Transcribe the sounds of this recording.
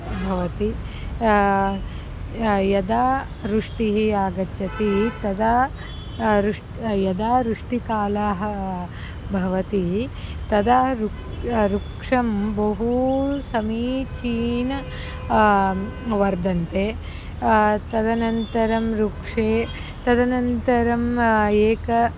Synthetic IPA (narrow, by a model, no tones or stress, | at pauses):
bʱɐʋɐt̪i | jɐd̪aː | ɾuʂʈiɦiaːɡɐt͡ʃɐt̪it̪ɐd̪a | ɾuʂ | jɐd̪aːɾuʂʈikaːlaːɦɐ | bʱɐʋɐt̪it̪ɐd̪aɾu | ɾukʂɐmbɐɦusɐmiːt͡ʃiːnɐ | ʋɐɾd̪ɐnt̪eː | t̪ɐd̪ɐnɐnt̪ɐɾɐmɾukʂeː | t̪ɐd̪ɐnɐnt̪ɐɾɐmeːkɐ